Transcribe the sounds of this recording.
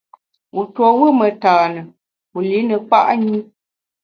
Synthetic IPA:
u˨twɔ˨wə˦mə˨taː˨nə˨ | u˨li˨˦nə˨k͡pa̰˦ʔɲi˦

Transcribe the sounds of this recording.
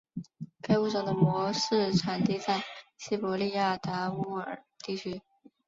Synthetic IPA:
ka˥ɪu˥˩ʈ͡ʂɑ˨˩ŋd̪ə˦mwɔ˧˥ʂɻ̩˥˩ʈ͡ʂʰa˨˩nt̪i˥˧t͡sa˥˩ɪɕi˥˩pɔ˧˥li˥˧ja˥˩t̪a˧˥u˥ə˨˩ | t̪i˥˩t͡ɕʰy˥

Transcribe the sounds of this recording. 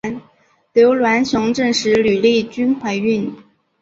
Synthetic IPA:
n | ljo˧˥ʊlwa˧˥nɕjʊ˧˥ŋʈ͡ʂɤ˥˩ŋʂɻ̩˧˥ly˨˩li˥˩t͡ɕy˥nxwa˥˩ɪy˥˩n

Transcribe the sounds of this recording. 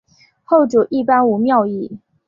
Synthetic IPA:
xo˥˩ʊʈ͡ʂu˨˩ʔi˥˩pa˥nu˨˩mjɑ˥˧ʊi˥˩

